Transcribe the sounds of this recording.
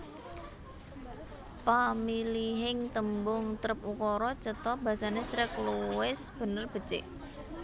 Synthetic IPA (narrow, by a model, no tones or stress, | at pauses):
pamiliɦɪŋt̪əmbʊŋt̪ɾəp̚ukɔɾɔt͡ʃət̪ɔba̤sanesɾəkluwɪsb̥ə̤nərb̥ə̤t͡ʃɪ̰ʔ